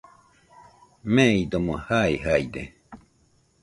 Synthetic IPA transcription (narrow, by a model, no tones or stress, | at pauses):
mẽid̪omõhaiɦajd̪e